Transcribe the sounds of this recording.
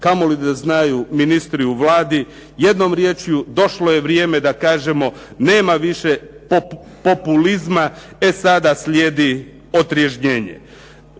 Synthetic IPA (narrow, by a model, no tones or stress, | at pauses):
kamo̞lid̪aznajuminist̪ɾiuʋlaːd̪i | je̞d̪nomɾje̞ːt͡ʃjud̪o̞ʃloje̞ʋɾje̞ːme̞d̪akaːʒe̞mo̞ne̞ːmaʋiʃepo | po̞pulizma | e̞sad̪asʎje̞ːd̪i | o̞t̪ɾje̞ʃɲeːɲḛ